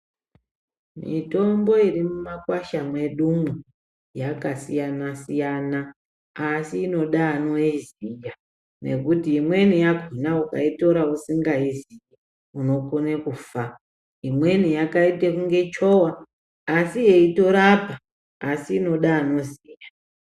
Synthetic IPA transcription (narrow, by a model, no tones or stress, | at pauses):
mḭto̞mbo̞irimumakwaʃamwe̞ɗumwu | jakasijanasijanaː | siːno̞ɗaːno̞izija | ne̞̰kutiːmwe̞nijaɡʱinauka̰ito̞ɾausiŋɡaiziji | uno̞konekufa | imwe̞nijakaitekuŋɡe̞t͡ʃo̞waː | sijeito̞ɾapaː | siːno̞ɗaːno̞sija